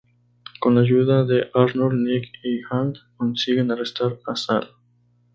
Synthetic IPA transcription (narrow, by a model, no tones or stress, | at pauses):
ko̞nlaʝuðaðeʔaɾnolnikixankonsiɣenarest̪aɾasal